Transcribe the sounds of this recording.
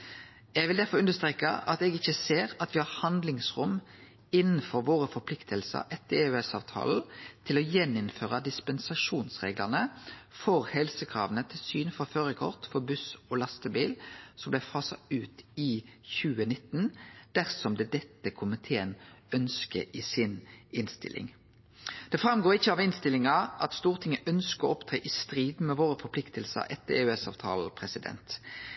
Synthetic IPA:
ɛɡʋɪld̪æɾfɔɾʉndəst̪ʁeːkə̰ʔɑt̪ɛɡɪçəseːɾɑt̪ʋɪhɑʁhɑnd̪lɪŋsʁʊm | ɪnːn̩fɔɾʋoːɾəfɔɾpʰlɪkt̪ʰəlsə̰ɾʔɛt̪ʰəʉɛsɑ̰ːʋt̪ʰɑ̰ːln̩t̪ʰɪlɔjɛnːɪnføːʁəd̪ɪspɛnsɑʂuːnsʁḛːɡləʁnəfɔɾhɛlsəkʰʁɑ̰ːʋənət̪ʰɪlsyːnfɔʁføːɾəkʰɔ̰ʁt̪fɔɾbʉsoːlɑst̪əbiːlsɔmblæfɑːsɑʉːt̪ɪçʉːənɪt̪ːnd̪̥æʁsɔmd̪ɛd̪ɛt̪ːəkʰʊmɪt̪ʰeːənœnskəʔisɪnɪnst̪ɪ̰lʔɪ̰ŋ | d̪̥ɛfʁɑmɡoːɾɪçːəɑːʋɪnst̪ɪlɪŋɑʔɑt̪st̪uːʁt̪ʰɪŋːəʔœnskəɔɔpt̪ʰɾeːʔɪst̪ʁiːd̪mɛʋoːɾəfɔpʰlɪkt̪əlsə̰ɾʔɛt̪ːəeːʉɛsɑ̰ʋt̪ʰɑ̰ːlpʰʁɛsɪd̪ɛ̰nt̪

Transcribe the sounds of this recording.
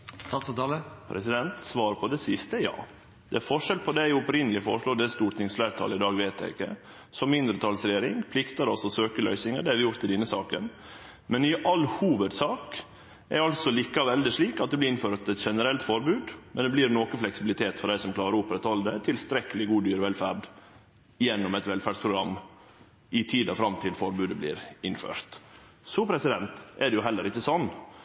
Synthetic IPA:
pʰɾɛsɪd̪ɛnt̪sʋɑːɾpʰɔd̪ɛsɪst̪əjɑ̰ː | d̪̥ɛæɾfɔʂɛlpʰɔd̪ɛæjʊɔpɾɪnəlɪfɔ̰ɾʂloːd̪ɛst̪uːʈt̪ɪŋsflæːɾt̪ʰɑ̰ːləɪd̪ɑːɡʋɛːt̪̚d̪æ̰ɪkːə̰ | sɔmɪnd̪ɾət̪ʰɑlsɾɛjeːɾɪŋpʰlɪkt̪ɑɾɔsɔsøːkəlœ̰ʏsɪŋɑd̪ɛæɾʋɪjʊɾt̪ʰːɪlɪnːəsɑ̰ːkə̰n | mɛnɪʔɑlːhuːʋəd̪sɑːk | ʔɛɾɑlt̪sɔliːkɑʋɛld̪ɪʂɭiːkɑt̪d̪ɛblɪɾɪnføːɾt̪ɛt̪ʂɛnəɾɛlt̪fɔɾbʉːd̪mɛnd̪ɛbliːɾnoːkəflɛksɪbɪlɪt̪ʰeːt̪fɔɾɖ̪æɪsɔmklɑːɾəʊpɾɛt̪ɑld̪ət̪ʰɪlst̪ɾɛkəlɪɡuːd̪yːɾɔʋɛlfæːɾɖ | ɪjɛnːɔmɛt̪ʋɛlfæɖspʰɾʊɡɾɑmː | ɪt̪ʰiːd̪ɑfɾɑmt̪ʰɪlfɔɾbʉːd̪əblɪ̰ːɾɪnfø̰ːɾt̪ | sɔpʰɾɛsɪd̪ɛnt̪ɛɖɛjʊɦɛlːəɾɪçːəsɔnː

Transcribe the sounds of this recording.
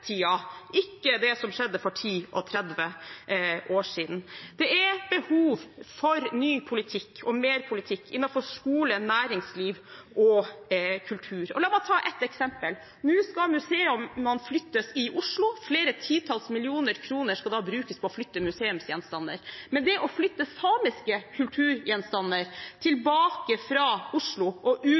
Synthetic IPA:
t̪ʰiːɑʔɪkːəd̪ɛsɔmʂɛd̪ːəfɔʈʰiːʔɔ̰t̪ʰɾɛd̪ʋə | ʔoːʂiːd̪n̩d̪̥ɛɛɾbəhuːʋfɔɾnyːpʰʊlɪt̪ʰɪkːɔmeːɾpʰʊlɪt̪ʰɪkːɪnːɑfɔʂkuːlənæːɾɪŋsliːʋʔɔ | kʰʉlt̪ʰʉːɾɔlɑːbɑt̪ʰɑːʔɛt̪ːɛksɛmpəl | nʉːskɑmʉseːʉmːənflʏt̪ːəsɪʔʊʂlʊfleːɾət̪ʰiːt̪ʰɑlsmɪlɪuːnəɾkʰɾuːnəʂkɑd̪ɑːbɾʉːkəspʰɔɔflʏt̪ːəmʉseːʉmsjɛnst̪ɑnːə̰ɾmɛnd̪ɛʔɔflʏt̪ːəsɑːmɪskəkʰʉlt̪ʰʉːɾjɛnst̪ɑnːəɾt̪ʰɪlbɑːkəfɾɑʊʂlʊʔɔʔʉː

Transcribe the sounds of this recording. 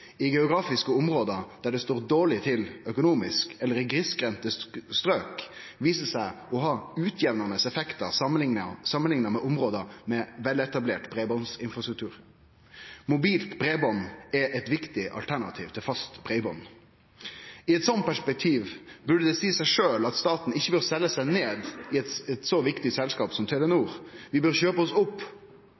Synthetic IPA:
ɪɡɛʊɡɾɑːfɪskəʊmɾoːd̪əd̪̥æɖɛst̪oːɾd̪oːɭɪt̪ʰɪlœkʊnuːmɪskɛlːəɾɪɡɾɪskɾɛnt̪əst̪ɾøːk | ʋiːsəsæɪɔɦɑːʉːt̪ʰjɛʋnɑnəsɛfɛkt̪əɾənɪŋəsɑmənlɪŋnəmɛʔʊmʁoːd̪əmɛʋɛlɛt̪ɑbleːʈbʰɾeːbɔnsɪnfɾɑst̪ɾʉkt̪ʰʉːɾ | mʊbiːlt̪bɾebɔnɛʔɛt̪ʋɪkt̪ɪʔɑ̰lt̪ʰæɳɑ̰t̪ʰḭːʋt̪ʰɪlfɑst̪bɾɛɪbɔn | ɪɛt̪sɔnt̪̚pʰæʂpɛk̚t̪ʰiːʋbʉɖəd̪ɛsiːsæɪʂøːlɑt̪st̪ɑːt̪n̩ɪçːəbøːʁsɛlːəsæɪneːd̪ɪɛt̪ɛt̪sɔʋɪkt̪ɪsɛlskɑːpsɔmt̪ʰɛlɛnuːɾʋɪbøːʁçøːpəɔsʊpː

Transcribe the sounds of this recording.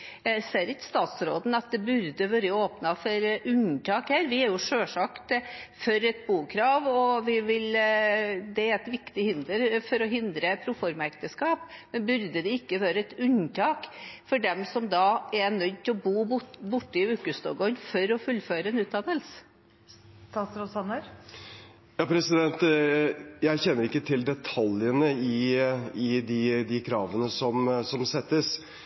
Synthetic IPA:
seːɾɪkə̥st̪ɑːt̪sɾoːd̪n̩ɑt̪̚d̪ɛbʉɾd̪əʋøːɾəoːpnɑfɔɾʉɲʈ̪ʰɑːkhæːɾʋɪæɾjʊʂøːʂɑkt̪fɔɾɛt̪̚buːkʰɾɑːʋɔʋɪʋɪl | d̪ɛæɾɛt̪ʋɪkt̪ɪhɪnd̪əɾfɔɾɔɦɪnd̪ɾəpʰɾʊfɔɾmɑɛk̚t̪əskɑːpmɛnbʉɾd̪əd̪ɛɪkːəʋøːɾəɛt̪ʉɲt̪ʰɑːkfɔɖɛmsɔmd̪ɑɛnœʏt̪ʰɪlɔbuːbʊʈːəɪʉːkʉst̪o̰ːɡɔnfɔɾɔfʉlːføːɾəɛnʉːt̪̚d̪ɑnːəls | t̪ɑt̪sɾɔsɑnːəɾ | jɑːpʰɾɛsɪd̪ɛnt̪ | jæɪçɛnːəɾɪkːət̪ʰɪld̪ɛt̪ʰɑljənəɪɪd̪ɪd̪ɪkʰɾɑːʋənəsɔmsɔmsɛt̪ːəs

